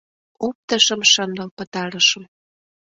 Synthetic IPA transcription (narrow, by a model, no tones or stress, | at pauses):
op̚t̪ə̆ʃə̆mʃənd̪əlpə̆t̪ɑɾəʃə̆m